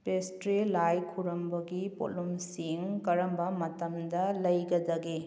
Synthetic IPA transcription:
pestɾelajkʰuɾɐmbɐɡipo̰lumsiŋkɐɾɐmbɐmɐtɐmd̪ɐlɐjɡɐd̪ɐɡe

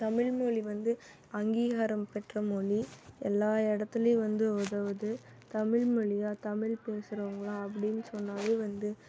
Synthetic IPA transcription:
t̪ɐmɪɭmoɭiʋɐnd̪ɯ | ɐŋɡiːɣɐɾɐmpɛʈrɐmɔɭiɛlːaːɛɽɐt̪ːɪlɐjʋɐnd̪ɯɔðɐʋɐðɯ | t̪ɐmɪɭmɔɭɪjaːt̪ɐmɪɭpeːsɯɾɐɐŋɡɐɭãːɐp̬ːɐɽɪnːɯsɔnːaːʋeːʋɐnd̪ɯ

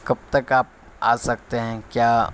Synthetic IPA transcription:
kɐb̚t̪ɐkaːp̚ | a̰ːsɐk̚t̪eɦɛ̃kjaː

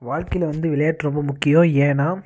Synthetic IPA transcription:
ʋaːɻkɪlɛʋɐnd̪ɯʋɪɭɐjaːʈːɾɔmbɐmʊkːɪjõeːnaː

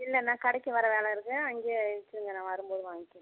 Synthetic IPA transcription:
ɪlːɛnãːkɐɽɐkːɯʋɐɾɐʋeːɭɛɪɾɯkːɯɐŋɡeːɪt͡ʃːɪɾɯŋɡɐnãːʋɐɾɯmpoːðɯʋaːŋɡɪkː

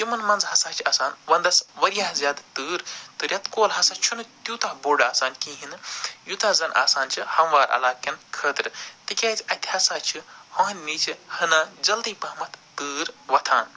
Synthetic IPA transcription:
jimɐnmɐnzhɐsaːt͡ʃʰɐsaːnʋɐnd̪ɐsʋɐɾjaːzʲjaːd̪t̪ɨːɾt̪ɨɾʲɐt̪koːlɦɐsat͡ʃʰunɨt̪juːt̪aɦboːɖaːsaːnkĩːɦinjut̪aːzɐnʔa̰ːsaːnt͡ʃʰihɐmʋaːɾɐ̰laːkɐnkʰəːt̪ɾɨt̪ikʲaːt̪ʰʲɐt̪ʲʰhɐsaːt͡ʃʰihõːɦnʲːit͡ʃʰihɐnaːd͡ʒɐld̪iːpɐɦmɐt̪ʰt̪ɨːɾʋɐt̪ʰaːn

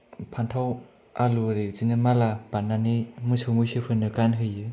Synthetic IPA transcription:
pʰantʰaw | aluɾezinɯmalapanːanimɯsɯwmɯsɯpʰɯnːɯkanɦɯjɯ

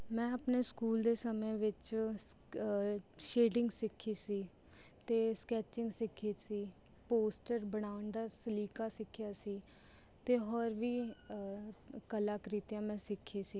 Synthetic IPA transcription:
mɛ̃ːəpneːskuːld̪eːsəmẽːʋɪt͡ʃ | ʃeːɖɪŋɡsɪkʰːiːsiː | t̪eːskɛːt͡ʃɪŋɡsɪkʰiːsiː | poːsʈəɾbəɽaːəɳd̪aːsəliːkaːsɪkʰːɪjaːsiː | t̪eːɦɔːɾʋiː | kəlaːkəɾiːt̪jãːmɛ̃ːsɪkʰːiːsiː

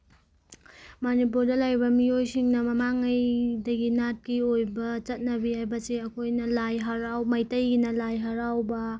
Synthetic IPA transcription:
manipuɾdɐlajbɐmiojsiŋnɐmɐmaŋɐjdɐɡinat̚kiojbɐt͡ʃɐt̚nɐbihajbɐseɐkʰojnɐlajɦɐɾawmɐjtɐjɡinɐlajɦɐɾawbɐ

